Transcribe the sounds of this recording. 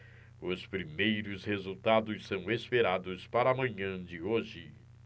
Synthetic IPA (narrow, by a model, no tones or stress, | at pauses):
ʊspɾimejɾʊshezuwt̪ad̪ʊssɐ̃w̃espeɾad̪ʊspaɾɐaːmɐ̃ɲɐ̃d͡ʒɪoʒɪ